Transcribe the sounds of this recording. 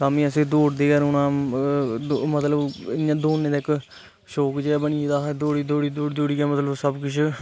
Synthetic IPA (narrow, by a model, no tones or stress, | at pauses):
saːmĩːəsẽːd̪oːɽd̪eːɡəɾʊnãː | mət̪ləbɪjãːd̪oːnːẽːd̪aːɪkː | ʃoːkd͡ʒeɛːbəɳid̪aːd̪oːɽiːd̪oːɽiːd̪oːɽd̪oːɽiːɡɛːmət̪ləbsəbkʊt͡ʃʰ